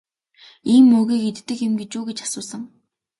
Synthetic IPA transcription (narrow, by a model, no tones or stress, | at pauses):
iːmːɵɣiːket̪ːɘ̆kemɡet͡ɕuːɡet͡ɕḁsʊːsə̆ŋ